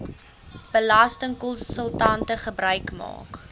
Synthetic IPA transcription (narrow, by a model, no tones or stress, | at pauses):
b̥əlɐstəŋkɔnsəlˠtɐntəχəbrœɥkmɑ̰ːk